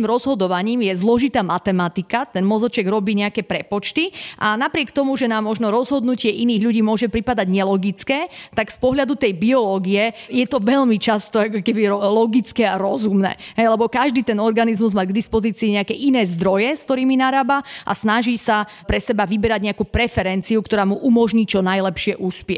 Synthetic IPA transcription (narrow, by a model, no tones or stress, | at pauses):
mɾɔzɦɔd̪ɔʋaɲiːmjɛzlɔʒit̪aːmat̪ɛmat̪ikat̪ɛnmɔzɔt͡ʃɛɡɾɔbiːɲɛakɛːpɾɛpɔt͡ʃt̪iʔanapɾɪɛkt̪ɔmuʒɛnaːmːɔʒnɔɾɔzɦɔd̪nucɪɛʔiniːɣʎuɟiːmʊɔʒɛpɾipad̪aɟɲɛlɔɡit͡skɛːt̪aɡspɔɦʎad̪ut̪ɛjbiɔlɔːɡiɛjɛt̪ɔʋɛʎmit͡ʃast̪ɔakɔkɛbiɾɔlɔɡit͡skɛaɾɔzumnɛ̰ːɦɛjlɛbɔkaʒd̪iːt̪ɛnɔɾɡanizmuzmaːɡd̪ispɔziːt͡siːɲɛakɛʔinɛːzd̪ɾɔjɛskt̪ɔɾiːminaɾaːbaʔa̰snaʒisa | pɾɛsɛbaʋibɛɾaɟɲɛakuːpɾɛfɛɾɛnt͡siukt̪ɔɾaːmuʔumɔʒɲiːt͡ʃɔnajlɛpʃɪɛʔuspɪɛ̰